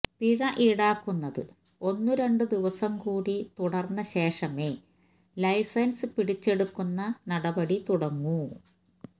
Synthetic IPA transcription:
piɻɐʔiɽaːkːunːɐðɨ̰ | o̞nːuɾe̞ɳɖɨd̪iʋɐsɐmkuːɽit̪uɽɐrnːɐɕe̞ːʂɐmeː | lɐjsɐnsɨpiɽit͡ɕːe̞ɽukːunːɐnɐɽɐbɐɽit̪uɽɐŋːu

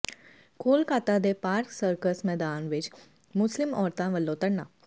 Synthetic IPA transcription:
koːlkaːt̪ad̪epaːɾksəɾkəsmɛːd̪aːnʋɪt͡ʃ | mʊslɪmɔːɾt̪ãʋəlːõt̪əɽnaː

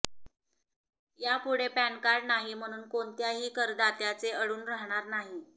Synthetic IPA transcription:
japuɽepænkaɽnaɦim̤əɽ̃uːnkoɳt̪jaɦiːkəɾd̪at̪jat͡seəɽuːnɾaɦɳ̃aɾnaɦi

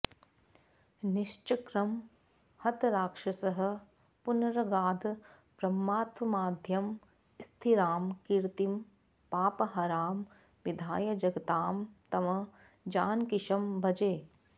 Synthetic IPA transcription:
niʃt͡ʃɐkɾɐm | hɐt̪ɾaːkʂɐsɐɦɐ̆ | punɾɐɡaːd̪ʱ | bɾɐmːaːt̪wɐmaːd̪ʱjɐm | st̪ʰiɾaːmkiɾt̪im | paːpɐɦɐːɾaːm | ʋid̪ʱaːjɐd͡ʒɐɡɐt̪aːmt̪ɐmɐ | d͡ʒaːnkɪʃɐmbʱɐd͡ʒeː

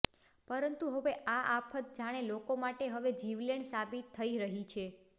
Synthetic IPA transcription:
pəɾənt̪uɦəʋeʔaʔapʰət̪̚d͡ʒaɽ̃elokomaʈeɦəʋed͡ʒiʋleɳsabit̪ʰːəiɾəɦit͡ʃʰe

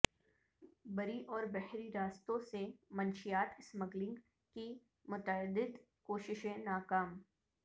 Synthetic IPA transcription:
bɐɾiʔɔːɾbɛhɾiɾaːst̪õsemɐ̃nʃijaːt̪ɪsməɡlɪ̃ŋɡ | ki | mʊt̪əd̪ɪd̪ | koːʃɪʃẽnaːkaːm

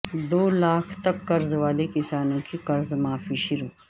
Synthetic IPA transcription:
d̪oːlaːkʰt̪ɐkːɐɾzʋaːlekɪsaːnõkikɐɾzmaːfiʃʊɾuː

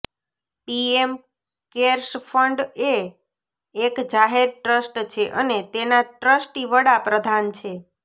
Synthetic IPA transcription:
piem | keɾʃfʰəɳɖeː | kd͡ʒaɦeɾʈɾəsʈt͡ʃʰeʔənet̪enaʈɾəsʈiʋəɽapɾəd̪ʱant͡ʃʰe

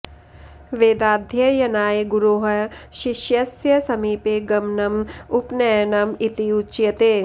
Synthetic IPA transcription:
ʋeːd̪aːd̪ʱjɐjɐnaːeɡʊɾoːɦɐʃɪʃjɐsjɐsɐmiːpeɡɐmnɐmʊpnɐjɐnɐmit̪iut͡ʃjɐt̪eː

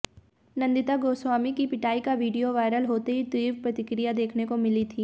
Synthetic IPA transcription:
nɐ̃nd̪ɪt̪aɡoːsaːmikipɪʈaːikaʋiːɖijoʋaːɪɾəlɦoːt̪eɦit̪wiːʋpɾɐt̪ɪkɾijad̪eːkʰnekomɪlit̪ʰiː

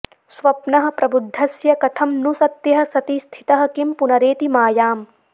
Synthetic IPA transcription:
sʋɐpnɐɦɐ̆pɾɐbud̪ʱːɐsjɐkɐt̪ʰɐmnusɐt̪jɐɦɐ̆sɐt̪ist̪ʰi̥t̪ɐɦɐ̆kimpunɐɾeːt̪imaːjaːm

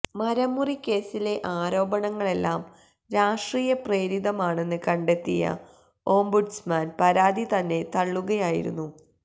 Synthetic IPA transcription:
mɐɾɐmːurikʲːe̞ːsile̞ʔaːɾo̞ːbɐɳɐŋːɐɭe̞lːaːm | ɾaːʂʈriːjɐpre̞ːɾid̪ɐmaːɳe̞nːɨkɐɳɖe̞t̪ːijɐ̰ | o̞ːmbuɖsmaːnpɐɾaːd̪ʱit̪ɐnːe̞t̪ɐɭːuɣɐjaːjḭɾṵnːu

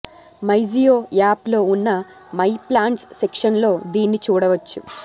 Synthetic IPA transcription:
mɐjd͡ʒijoːjaːplo̞ːunːɐ | mɐjplaːɳʈsːekʂɐnlo̞ːd̪iːnːit͡ʃuːɽɐʋɐt͡ʃːṵ

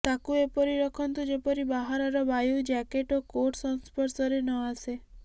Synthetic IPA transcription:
t̪akuepɔɾiɾɔkʰɔnt̪ud͡ʒepɔɾibaɦaɾaɾɔbajud͡ʒakeʈɔkoʈsɔnspɔɾsɔɾenɔase

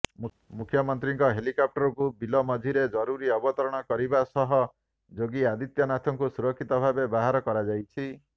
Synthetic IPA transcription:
mukʰjɔmɔnt̪ɾiŋkɔɦelikɔp̚ʈɔɾɔkubilɔmɔd͡ʒ̪ʱiɾed͡ʒɔɾuɾiɔbɔt̪ɔɾɔɽ̃ɔkɔɾibasɔɦɔ | d͡ʒoɡiad̪it̪jɔnat̪ʰɔŋkusuɾɔkʰːit̪ɔbʱabebaɦaɾɔkɔɾad͡ʒajt͡ʃʰi

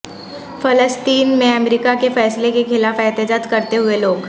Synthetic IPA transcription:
fʰələsʈ̪iːnmẽəmɾikakefɛːslekekʰɪlafɛːt̪jd͡ʒaːd̪kəɾt̪eɦʊeloːɡ

